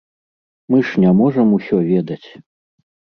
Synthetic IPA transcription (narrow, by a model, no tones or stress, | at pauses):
mɨʂnʲamɔʐɐmusʲɔvʲɛd̪ɐt͡sʲ